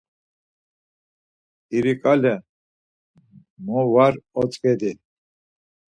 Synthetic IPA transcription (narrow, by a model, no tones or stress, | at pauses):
iɾikʼalɛ | mɔvaɾɔt͡sʼkʼɛd̪i